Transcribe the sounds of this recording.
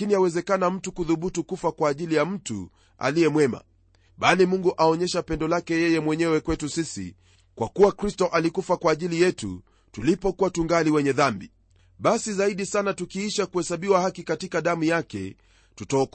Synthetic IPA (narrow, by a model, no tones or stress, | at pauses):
iniawɛzɛkanam̩tukuðuɓutukufakwaːʄilijam̩tṵ | a̰lijɛmwɛma̰ | ɓalimuŋɡuʔaɔɲɛʃapɛndɔlakɛjɛjɛmwɛɲɛwɛkwɛtusisḭ | kwakuwakɾistɔʔalikufakwaːʄilijɛtṵ | tulipɔkuwatuŋɡaliwɛɲɛðambi | ɓasizaiɗisanatukiiʃakuhɛsaɓiwahakikatikaɗamujakɛ̰ | tutaɔk